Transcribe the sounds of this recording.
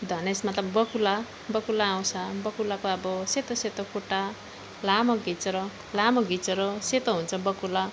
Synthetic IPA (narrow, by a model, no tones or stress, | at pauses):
d̪ʱʌnesmʌt̪lʌbbʌkula | bʌkulaːw̃sʰabʌkulakoʌbʌset̪oset̪okuʈa | lamʌɡit͡sʌɾʌ | lamoɡit͡sʌɾoset̪oɦunt͡sʰʌbʌkula